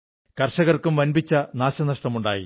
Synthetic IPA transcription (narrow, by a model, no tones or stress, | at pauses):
kɐrʂɐɣɐrkumʋɐnbit͡ɕːɐnaːɕɐnɐʂʈɐmuɳɖa̰ːjḭ